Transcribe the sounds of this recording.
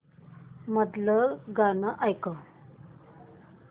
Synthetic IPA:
mət̪ləɡanəʔajkəw

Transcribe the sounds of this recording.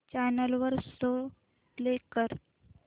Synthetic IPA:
t͡ɕanəlʋəɾso | lekəɾ

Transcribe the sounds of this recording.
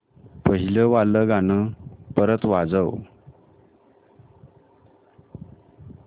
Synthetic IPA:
pəɦiləʋaləɡanəpəɾət̪ʋad͡zəw

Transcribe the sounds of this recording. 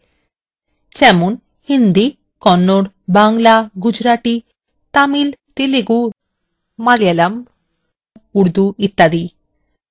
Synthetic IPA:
t͡ɕɛmun | hind̪i | kɔnːoɽ | baŋlaɡud͡ʑɾaʈi | t̪amilt̪eleɡu | malijalɐm | uɾd̪uit̪ːad̪i

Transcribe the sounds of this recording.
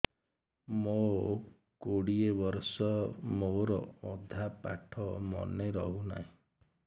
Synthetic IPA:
mo | koɽiebɔɾsɔmoɾɔ̰ɔd̪ʱapa̰ʈʰɔmɔ̰neɾɔɦuna̰ɦĩ

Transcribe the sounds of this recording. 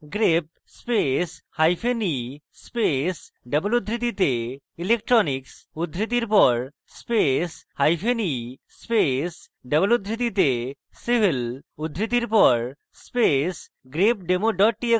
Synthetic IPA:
ɡɾep̚ | speshajpʰeni | spes | ɖebolud̪ʱɾit̪̬it̪e | ilek̚ʈɾɔniksud̪ʱɾit̪̬iɾpɔɾ | speshajpʰenispes | ɖebolud̪ʱɾit̪it̪e | sibʱilud̪ʱɾit̪̬iɾpɔɾ | spes | ɡɾep̚ɖemoɖɔʈ̚ʈie

